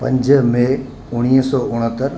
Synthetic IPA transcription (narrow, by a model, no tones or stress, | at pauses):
pɐ̰̃ɲd͡ʑəmẽ | ʊɽ̃iːɦsɔːʊɽ̃ət̪əɾ